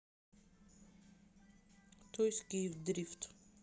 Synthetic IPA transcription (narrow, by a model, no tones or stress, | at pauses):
t̪ɔjskivd̪ɾift̪